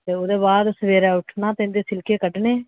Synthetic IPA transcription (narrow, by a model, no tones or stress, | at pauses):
t̪eːoːd̪eːbaːd̪səʋeːɾɛːʊʈʰnaːt̪end̪eːsɪlkeːkəɖneː